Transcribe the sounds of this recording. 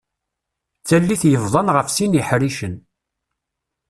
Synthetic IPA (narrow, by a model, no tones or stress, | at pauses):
t͡sælːiθjəvðˤɑnʁəfsinjəħɾiʃən